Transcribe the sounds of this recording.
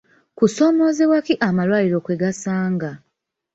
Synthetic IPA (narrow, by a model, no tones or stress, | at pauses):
kuso̞ːmo̞ːzewakiʔamalwaːliɾo̞kweɡasaːŋɡa